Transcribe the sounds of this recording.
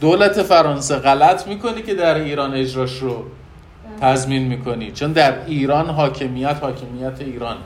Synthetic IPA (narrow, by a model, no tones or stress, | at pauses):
d̪̥oːlæt̪ʰe̞fæɾɒːnseɣælæt̪ʰmiːko̞nice̞d̪æɾiːɾɒːne̞d͡ʒɾɒːʃro | t̪ʰæzminmiːkʰo̞nit͡ʃʰo̞nd̪æɾiːɾɒːnɦɒːcʰe̞mijæt̪hɒːcʰe̞mijæt̪ʰe̞iːɾɒːn